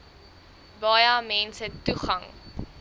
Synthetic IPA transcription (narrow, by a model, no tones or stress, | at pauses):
bɑːjɐmɛnsətuχɐŋ